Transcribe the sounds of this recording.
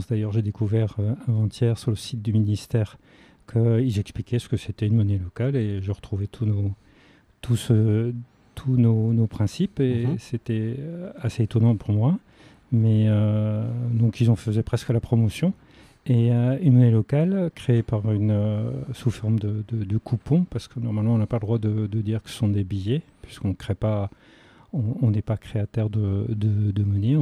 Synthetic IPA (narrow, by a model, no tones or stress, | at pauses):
sd̪ajœʁʒed̪ekuvɛʁøavɑ̃t̪jɛʁsyʁləsit̪̚d̪yminist̪ɛːʁ | kʰəilzɛksplikʲɛsə̥kəset̪ɛynmɔnɛlɔkaleʒeʁət̪χuvet̪ʰuno | t̪usə | t̪ʰunonopχɛ̃sipeset̪ɛaseet̪ɔnɑ̃puʁmwa | mɛø | d̪ɔ̃kilzɑ̃fəzɛpχɛskəlapχɔmɔsjɔ̃ | eynmɔnelɔkalkχeepaʁynøsufɔʁmd̪əd̪əd̪əkʰupɔ̃paʁsə̥kənɔʁmalmɑ̃ɔ̃napaləd̪ʁwad̪əd̪əd̪iʁkə̥sə̥sɔ̃d̪ebijɛpɥi̥skɔ̃kχɛpa | ɔ̃ɔ̃nɛpakχeat̪œʁd̪əd̪əd̪əmənẽ